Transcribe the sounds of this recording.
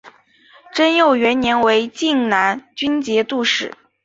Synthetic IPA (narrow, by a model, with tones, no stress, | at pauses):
ʈ͡ʂə˥njo˥˩ʊɥɛ˧˥nnjɛ˧˥nwe˧˥ɪt͡ɕi˥˩ŋna˧˥nt͡ɕy˥nt͡ɕjɛ˧˥t̪u˥˧ʂɻ̩˥˩˦